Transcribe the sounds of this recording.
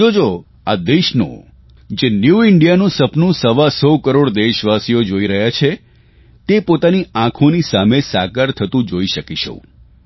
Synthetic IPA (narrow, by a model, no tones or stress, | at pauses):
d͡ʒod͡ʒo | ad̪eʃnõ̰ | d͡ʒenjuɪɳɖijanũsəpnũsəʋasɔkəɾoɽd̪eʃʋasijod͡ʒoiɾəɦjat͡ʃʰe | t̪epot̪aniãkʰonisamesakəɾt̪ʰət̪ũd͡ʒoiʃəkiʃo̰